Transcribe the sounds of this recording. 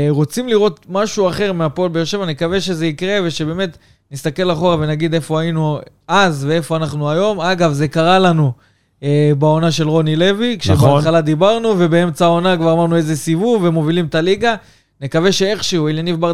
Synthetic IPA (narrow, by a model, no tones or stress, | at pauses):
ʁo̞t͡simliʁo̞t̪maʃuaχe̞ʁmeapolbejoʃe̞vanekave̞ʃe̞ze̞ikʁe̞veʃe̞beːme̞t̪ | nist̪ake̞laχo̞ave̞naɡid̪e̞fo̞ainu | azve̞e̞fo̞anaχnuajo̞maɡavze̞kaʁalanu | bao̞naʃe̞lʁo̞nile̞vikʃebeaaχalad̪ibaʁnuve̞bee̞mt͡sao̞nakvaʁamaʁnue̞ze̞sivuvve̞mo̞vilimt̪aliɡa | ne̞kave̞ʃe̞e̞χʃeueljanivbaʁ